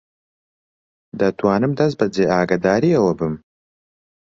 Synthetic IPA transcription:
d̪ɐt̪wɑːnɨmd̪ɐzbɐd͡zeaːɡɐd̪aːɾiɐwɐbɨm

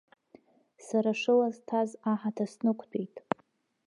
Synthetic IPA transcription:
saɾaʂɨlaztʰazaħatʰasnɨkʷʰʼtʷʰejtʼ

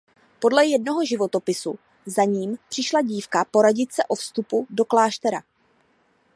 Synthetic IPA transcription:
po̞dlɛjɛdno̞ɦo̞ʒɪvo̞t̪o̞pɪsu | zaɲiːmpr̥ɪʃlaɟiːfkapo̞ɾaɟɪt̪sɛʔo̞fst̪upudo̞klaːʃt̪ɛɾa̰

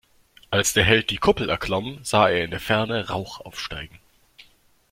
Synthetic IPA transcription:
ʔalsd̥eːɐɦɛlt̚d̥iːkʰʊpl̩ɛɐkʰl̥ɔmz̥aːeːɐɪndeːɐfɛɐnəʁaʊxʔa̰ʊfʃta̰ɪɡŋ̩

